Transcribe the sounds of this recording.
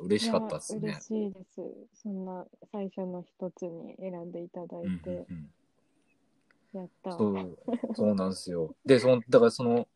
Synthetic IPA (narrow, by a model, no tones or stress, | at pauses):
ɯ̟ɾe̞ɕi̥kat̪ːad̪sɾeḛɕiːd̪e̞sɨ̰sõ̞nːasaiɕonoçi̥t̪o̞t͡sɨɲ̟ḭe̞ɾãnd̪e̞it̪ad̪ait̪ẽ̞ | jat̪ːasoːso̞ːnãñsɨjo̞d̪esod̪akaɾaso̞no̞